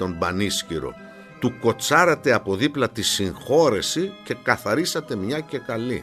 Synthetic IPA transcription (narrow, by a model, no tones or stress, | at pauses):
o̞mbɐnisciɾo̞̰ | t̪uko̞t͡sɐɾɐt̪e̞ɐpo̞ðiplɐt̪isiŋxo̞ɾe̞sice̞kɐθɐɾisɐt̪e̞mɲɐce̞kɐlḭ